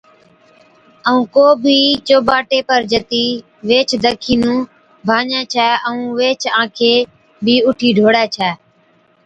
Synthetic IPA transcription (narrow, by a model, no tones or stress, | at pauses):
əũːkoːbʱiːt͡ʃoːbaːʈeːpəɾd͡ʒət̪iː | ʋeːt͡ʃʰd̪əkʰiːnũː | bʱaːɲãːt͡ʃʰaːəũːʋeːt͡ʃʰãːkʰeː | bʱiːʊʈʰiːɖʱoːɽɛːt͡ʃʰɛː